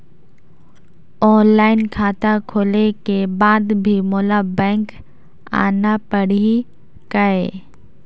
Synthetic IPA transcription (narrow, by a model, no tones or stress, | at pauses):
ɔːnlaːɪnkʰaːt̪akʰoːlekebaːd̪bʱimoːlabɛ̃ːŋk | a̰ːnapəɽi | kəeː